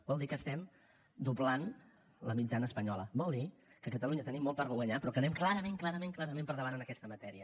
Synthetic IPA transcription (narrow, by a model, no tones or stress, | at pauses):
bɔlˠd̪ikəst̪ɛm | d̪ublan | ləmid͡ʒanəːspəɲɔlə̰bɔlˠd̪ikəkət̪əluɲət̪ənimːɔlˠt̪aɾɣəɣwəɲapɾɔkənɛmklaɾəmẽŋklaɾəmẽŋklˠaɾəmẽmpəɾðəβanənəkɛst̪əmət̪ɛɾiə